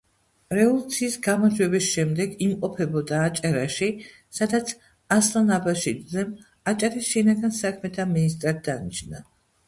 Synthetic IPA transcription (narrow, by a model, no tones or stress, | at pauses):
ɾɛvɔlˠut̪sʰiːsɡamad͡ʒwɛbisʃɛmd̪ɛɡimqʼɔpʰɛbɔd̪aːt͡ʃʼaɾaʃi | sad̪at̪sʰ | aslˠanabaʃit̪zɛm | at͡ʃʼaɾisʃinaɡansakʰmɛt̪ʰaminist̪ʼɾad̪̚d̪anit͡ʃʰna